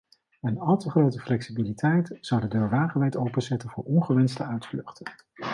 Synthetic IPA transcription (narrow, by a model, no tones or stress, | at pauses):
ənɑlˠtəχrowtəflɛksibilitʰɛjtz̥ɑwdədøːɹʋaːχəʋɛjtowpənzɛtənvʊ̰ːɹʔɔnχəʋɛnstəœɥtflɵχtə